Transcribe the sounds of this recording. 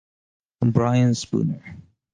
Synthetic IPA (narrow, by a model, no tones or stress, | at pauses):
ə̃mbɹaɪə̃nspṵnə˞